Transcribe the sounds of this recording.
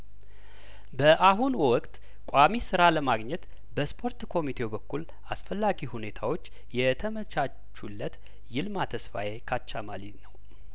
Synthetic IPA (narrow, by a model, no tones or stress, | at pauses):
bəʔaɦunwɔkʼt̪ʼ | kʷʼamisɨɾaləmaɡɲɛt̪ | bəspʰo̞ɾt̪kʰo̞mit̪ʰe̞wbəkʰːul | asfəlːaɡihune̞t̪ʰawo̞t͡ʃː | jɛt̪ʰəmət͡ʃa | t͡ʃːulːət̪ | jɪlmat̪ʰəsfa̰jekʰat͡ʃːamalit̪nəw